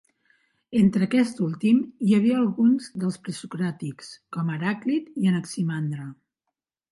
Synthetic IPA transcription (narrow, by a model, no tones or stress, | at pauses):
ent̪ɾəkɛst̪ulˠt̪imiəβ̞iəːlˠɣunzd̪əlˠspɾəsukɾat̪ikskɔməɾaklit̪iənəksimand̪ɾə